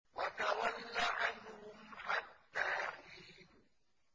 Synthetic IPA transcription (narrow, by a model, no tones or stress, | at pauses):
wat̪awalːaʕanhʊmħat̪ːaːʔiːn